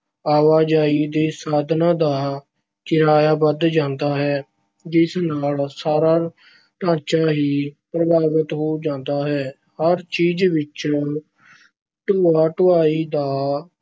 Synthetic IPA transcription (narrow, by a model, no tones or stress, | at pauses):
aːʋaːd͡ʒaːiːd̪eːsaːd̪nãːd̪aː | t͡ʃɪɾaːjaːbəd̪d͡ʒãːnd̪aːɦɛː | d͡ʒɪsnaːlsaːɾaː | ʈãːt͡ʃaːɦiːpɾəbaːʋət̪ɦoːd͡ʒãːnd̪aːɦɛː | həɾt͡ʃiːd͡ʒʋɪt͡ʃ | ʈoːaːʈʊʋaːiːd̪aː